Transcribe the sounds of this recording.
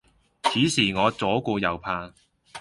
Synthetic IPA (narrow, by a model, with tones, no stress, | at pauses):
t͡sʰiː˨˥siː˨˩ŋɔː˨˧t͡sɔː˨˥kuː˧jɐ˨˧wpʰaː˧